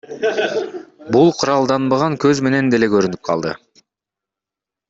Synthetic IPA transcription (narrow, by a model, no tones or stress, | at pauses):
bulˠqʰuɾɑlˠd̪ɑnbɑʁɑŋkøzme̞ne̞nd̪e̞le̞kø̞ɾynyp̚qʰɑ̰lˠd̪ɯ̰